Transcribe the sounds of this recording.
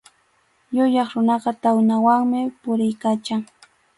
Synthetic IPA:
jʊjɑχɾʊnɑɢɑt̪awnawaŋmɪpʊɾɪjkat͡ʃaŋ

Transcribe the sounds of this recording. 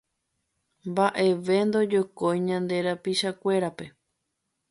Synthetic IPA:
mbaʔe̞ʋe̞nd̪o̞d͡ʒokojɲãnd̪e̞ɾapiʃakʷe̞ɾape̞

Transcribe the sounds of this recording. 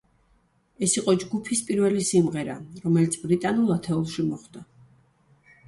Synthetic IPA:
ɛsiqʼɔd͡ʒɡupʰispʼiɾvɛlisimʁɛɾaɾɔmɛlit̪sʰbɾit̪ʼanulˠat̪ʰɛulˠʃimɔχd̪a

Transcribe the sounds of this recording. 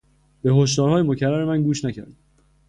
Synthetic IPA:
b̥e̞ɦo̞ʃ̬d̪ɒːɾhɒːjemocʰærːæɾe̞mænɡuːʃnæcʰæ̰ɾd̪̥

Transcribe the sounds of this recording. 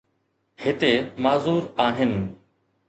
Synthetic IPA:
hɪt̪eːmaːzuːɾaːɦɪn

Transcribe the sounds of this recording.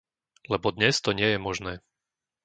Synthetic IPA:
lɛbɔd̪ɲɛst̪ɔɲɪɛjɛmɔʒnɛː

